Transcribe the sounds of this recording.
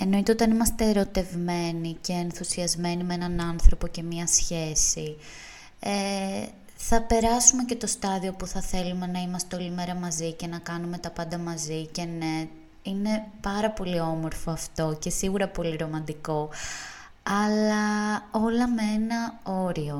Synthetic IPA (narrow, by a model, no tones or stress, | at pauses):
e̞no̞it̪e̞o̞t̪ɐnimɐst̪eːɾo̞t̪e̞vme̞nice̞ːnθusiɐzme̞nimeenɐnɐnθɾo̞po̞ce̞mɲɐsçe̞si | e | θɐpe̞ɾɐsume̞ce̞t̪o̞st̪ɐðio̞puθɐθe̞lume̞nɐimɐst̪eolime̞ɾɐmɐzice̞nɐkɐnume̞t̪ɐpɐnd̪ɐmɐzice̞ne̞ | ine̞pɐɾɐpo̞lio̞mo̞ɾfoɐft̪o̞ce̞siɣuɾɐpo̞liɾo̞mɐnd̪iko̞ | ɐlɐo̞lɐmee̞nɐo̞ɾio̞